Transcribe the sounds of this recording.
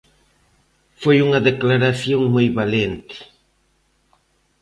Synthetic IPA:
fojuŋɐðeklaɾaθjoŋmojβalent̪ɪ̥

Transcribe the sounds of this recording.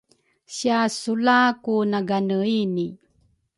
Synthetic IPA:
ɕiasulakunaɡanəini

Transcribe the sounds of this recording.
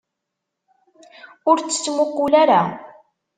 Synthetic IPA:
ʊɾt͡sːə̥t͡sːmʊqːʊlaɾa

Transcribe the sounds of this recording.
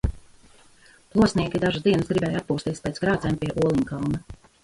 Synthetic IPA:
plˠuɔsniɛkʲid̪aʒasd̪iɛnəsɡɾibɛːjat̪̚puːst̪iɛspʲɛːt̪sɡɾaːt̪zɛjmpiɛʔuɔlˠiɲkawnɐ

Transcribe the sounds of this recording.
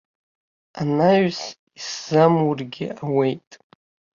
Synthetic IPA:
anaɥs | iszamwʊrɡʲɪ̰awejtʼ

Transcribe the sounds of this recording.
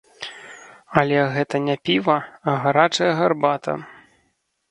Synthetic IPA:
ɐlʲɛɣɛt̪ɐnʲapʲivɐɐɣaɾat͡ʂɐjɐɣarbat̪ʰɐ̰

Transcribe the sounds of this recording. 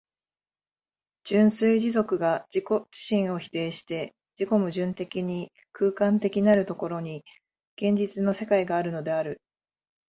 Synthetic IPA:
d͡ʑ̥ɨ̃ɰ̃sɨiʑizo̞kɯ̟ɡad͡ʑikod͡ʑi̥ɕĩɰ̃o̞çi̥t̪e̞ːɕi̥t̪e̞ | d͡ʑiko̞mɯ̟ʑɨ̃nt̪e̞kʲiɲ̟i | kʰɯ̟ːkãnt̪e̞kʲinaɾɯ̟t̪o̞ko̞ɾo̞ɲ̟i | ɡ̥ẽ̞ɲ̟d͡ʑit͡sɨno̞se̞kaiɡaːɾɯ̟no̞d̪e̞aɾɯ̟

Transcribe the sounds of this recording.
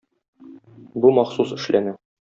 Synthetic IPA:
bumɑχsusɘ̆ʃlænɘ

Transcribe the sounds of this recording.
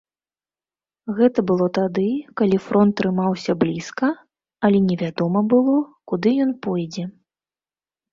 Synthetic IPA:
ɣɛt̪ɐbɨlˠɔt̪ad̪ɨkalʲifɾʔɔnt̪ːɾɨmawsʲɐblʲiskɐ | ɐlʲɛnʲɛvʲad̪ɔmɐbɨlˠɔkud̪ɨjɔnpɔjd͡zʲɛ

